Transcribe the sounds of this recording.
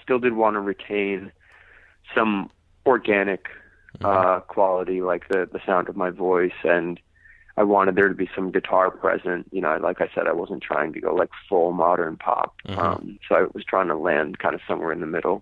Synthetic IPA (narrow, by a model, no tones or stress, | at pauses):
stɪlˠdɨd̚wɑ̃nəɹitʰẽɪ̃n | sʌ̃m | ɔɹɡænɨk | ʌkʰw̥ɑlˠəɾilaɪk̚ðɨðɨsãʊ̃ndʌvmaɪvɔɪsɨ̃n | ʔaɪwɑ̃ɾ̃ɨd̪̚ðə˞ɾɨbisʌ̃mɡɨtʰɑɹpʰɹ̥ɛ̰zɨ̃nʔjɨñoʊlʔaɪkaɪsɛ̰ɾaɪwʌz̃n̩tʰɹ̥a̰ɪɪ̃ŋtʰɨɡo̰ʊlaɪkfʊlˠmɑɾə̃˞npʰɑ̰p̚ʌ̰̃msoʊaɪwʌz̥tʰɹ̥aɪɪ̃ŋtʰəlæ̰̃nd̥̚kʰãɪ̃ndʌ̥sʌ̃mwɛ̰ɹɨ̃nðɨmɪɾl̩ˠ